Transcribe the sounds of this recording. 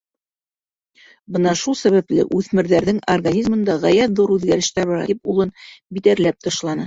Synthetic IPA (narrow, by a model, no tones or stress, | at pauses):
bɤnɑʃulˠsæβæplɘ̰ʔʉθmɘ̆ɾðæɾðɘŋorɡanʲizmɤ̆nd̪ɑʁæjæt̪ðuɾʉðɡæɾɘ̆ʃt̪æɾβɑɾɑ̰p̚ulˠɤnbit̪æɾlæp̚t̪ɤ̆ʃlˠɑnɤ